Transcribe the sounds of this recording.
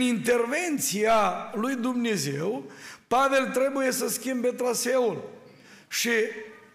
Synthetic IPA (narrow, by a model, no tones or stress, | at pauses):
int̪e̞rve̞nt̪sialujd̪umne̞ze̞wpave̞lt̪ɾe̞buje̞səskʲimbe̞t̪ɾase̞ul | ʃi